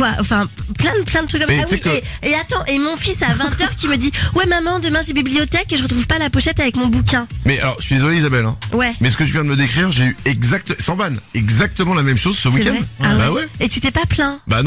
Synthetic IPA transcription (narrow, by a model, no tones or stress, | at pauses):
kwaɑ̃fɛ̃plɛ̃d̪əplɛ̃d̪ət̪χykːɔmsaaɛe | eat̪ɑ̃ʔemɔ̃fisavɛ̃t̪œʁkʲiməd̪iwɛmamɑ̃d̪əmɛ̃ʒebibliɔt̪ɛkeʒəʁət̪χuv̥palapɔʃɛt̪avɛkmɔ̃bukʲɛ̃mɛa̰lɔʁʒə̥sɥid̪ezɔleizabɛlɛ̰̃wɛmɛsə̥kəʒyvjɛ̃d̪əməd̪ekχiʁʒeyɛɡzak̚t̪əsɑ̃vanɛɡzak̚t̪əmɑ̃lamɛmʃozsəwikʲɛ̃awbaɛwɛet̪yt̪ɛpaplɛ̃ba̰n